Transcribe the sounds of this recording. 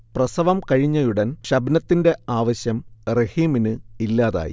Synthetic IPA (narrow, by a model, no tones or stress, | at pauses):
prɐsɐʋɐmkɐɻiɲːɐjuɽɐnɕɐbnɐt̪ːinde̞aːʋɐɕjɐmrehiːminɨilːaːða̰ːjḭ